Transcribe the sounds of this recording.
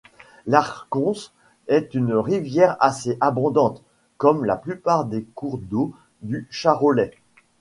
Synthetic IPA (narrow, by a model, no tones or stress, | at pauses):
laʁkɔ̃s | ɛt̪ynʁivjɛʁaseʔabɔ̃d̪ɑ̃t̪ | kɔmlaplypaʁd̪ekuʁd̪o | d̪yʃaʁolɛ